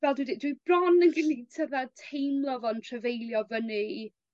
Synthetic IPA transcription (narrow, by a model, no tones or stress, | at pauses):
vɛlˠdwɪdɪd̥wibrɔnənɡɪlitʰəðatʰejmlˠɔvɔntʰrəvejlˠjɔvəni